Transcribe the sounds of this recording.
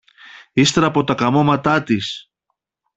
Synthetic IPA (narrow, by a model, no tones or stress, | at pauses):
ist̪e̞ɾɐpo̞t̪ɐkɐmo̞mɐt̪ɐt̪is